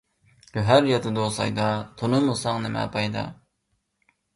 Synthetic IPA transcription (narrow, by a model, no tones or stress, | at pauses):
køɦæɾjɑt̪ʰɨd̪osɑ̰jd̪ɑt̪ʰonɨmusɑŋnɪmɛ̰pʰɑjd̪ɑ̰